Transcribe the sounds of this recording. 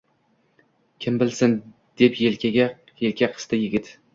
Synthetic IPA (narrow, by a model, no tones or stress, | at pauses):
kʲʰɪmbɪlsɪn | d̪̥epjelkʲʰaɡʲa | jelkʲʰaqʰɨ̥st̪ajɪɡʲɪt̪